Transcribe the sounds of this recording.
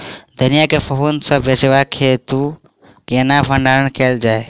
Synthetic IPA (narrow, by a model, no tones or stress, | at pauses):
d̪ʱənijakepʰəɦunsə̃bet͡ʃʋakʰet̪u | kenabʱəɳɖaɾəɳkeːld͡ʒaːe